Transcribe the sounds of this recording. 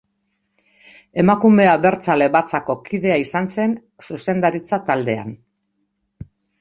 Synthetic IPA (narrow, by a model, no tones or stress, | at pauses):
e̞makume̞aβe̞ɾt͡sale̞βat͡sako̞kiðe̞aisanse̞n | suse̞nd̪aɾit͡sat̪ald̪e̞a̰n